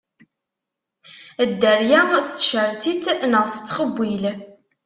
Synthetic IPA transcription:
əd̪ːəɾjæmθə̥t͡sːʃəɾt̪it̪nəʁθə̥t͡sːqəbʷːil

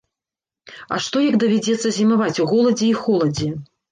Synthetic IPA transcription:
ɐ̰ʂt̪ɔjɐɡd̪ɐvʲad͡zʲɛt̪sːɐzʲimavat͡sʲuɣɔlˠɐd͡zʲɛixɔlˠɐd͡zʲɛ

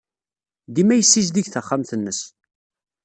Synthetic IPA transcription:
d̪imæjəsːizd̪iʝθəχːamθənːəs

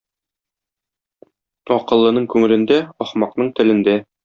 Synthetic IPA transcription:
ɒqɤ̆lˠːɤ̆nɤɴkʉŋɘ̆lɘ̆nd̪æɒχmɑqnɤɴt̪ɘ̆lɘ̆nd̪æ

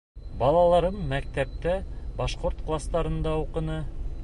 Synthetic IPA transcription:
bɑlˠɑlˠɑɾɤmːæk̚t̪æp̚t̪æbɑʃqoɾt̪qlˠast̪ɑɾɤ̆nd̪ɑuqɤ̆nɤ

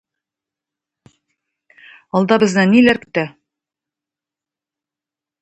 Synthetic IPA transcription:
ɒlˠd̪ɑbɤ̆znɘnilæɾkɵ̥̆t̪æ

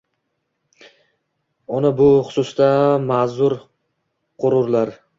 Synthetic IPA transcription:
ʊnabʊχʊ̥sʊst̪amazʊɾ | qʰʊɾʊɾlaɾ

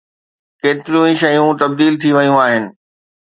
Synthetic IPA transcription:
keːt̪ɪɾijũĩʃɐjũt̪ɐb̚d̪iːlt̪ʰiʋɐjũaːɦɪnɪ̆

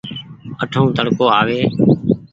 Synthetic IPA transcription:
əʈʰõːt̪əɽkoːaːʋeː

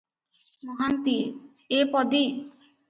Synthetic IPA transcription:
mɔɦant̪i | epɔd̪i

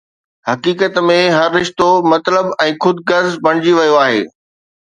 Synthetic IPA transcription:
hɐkiːkət̪mẽɦɐɾːɪʃt̪omɐt̪ləbɛ̃ːxʊd̪ɡɐɾzbɐɽ̃ɪd͡ʑiʋɐjoaːɦḛː

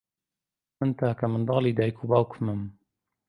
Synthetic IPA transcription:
ɨnt̪aːkamɨnd̪ɑːliːd̪aːjkʰubaːwkʰmɨm

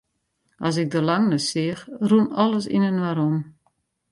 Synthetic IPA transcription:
ʔɑs̬ɪk̚dəlaŋnəsɪəxrunɔlˠəsḭnənwaɾom

